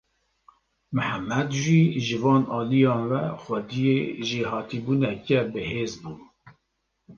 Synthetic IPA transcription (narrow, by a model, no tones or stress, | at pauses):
mɨhæmːæd̪ʒiʒɪvɑːnɑːlijɑːnvɛxʷɛd̪ijeʒihɑːt̪ibuːnɛkɛbɨheːzbuː